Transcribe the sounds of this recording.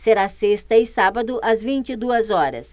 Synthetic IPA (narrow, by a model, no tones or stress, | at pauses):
seɾasest̪ɐɪsabɐd̪ʊʔɐzvĩnt͡ʃɪd̪uɐzɔɾɐ̰s